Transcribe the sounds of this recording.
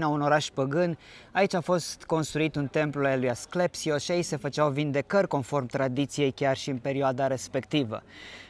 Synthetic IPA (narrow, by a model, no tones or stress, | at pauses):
nauno̞ɾaʃpəɡɨnait͡ʃʲafo̞st̪ko̞nst̪ɾuit̪unt̪e̞mpluaelujasklepsioʃiaise̞fət͡ʃawvind̪e̞kərʲko̞nfo̞rmt̪ɾad̪it̪sije̞jkʲarʃiɨnpe̞ɾioad̪aɾe̞spe̞kt̪ivə̰